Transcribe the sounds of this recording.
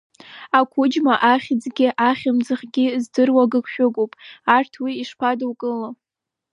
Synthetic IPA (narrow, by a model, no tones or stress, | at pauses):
akʷʰʊd͡ʒmaʔaχʲd͡zɡʲɪʔaχʲɪmd͡zɨχɡʲɪzdɨrwaɡɨkʷʰʃᶣʊɡʷʼowpʼartʰwiːʂpʰadwkʼɨla